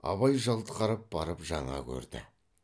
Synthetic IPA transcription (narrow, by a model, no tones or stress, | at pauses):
ɑ̰βɑjʒɑlˠt̪əqʰɑɾəp̚bɑɾəpʒɑɴɑ̰kʲʰɵ̰ɾd̪ɪ̰